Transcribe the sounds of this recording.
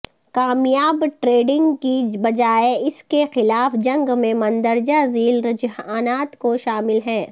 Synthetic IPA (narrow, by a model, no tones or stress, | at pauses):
kaːmjaːbʈɾeːɖɪ̃ŋɡkibɐd͡ʒaːeɪskexɪlaːfd͡ʒɐ̃ŋɡmẽmɐ̃nd̪əɾd͡ʒaziːlɾɐd͡ʒɦaːnaːt̪koʃaːmɪlɦɛ̃ː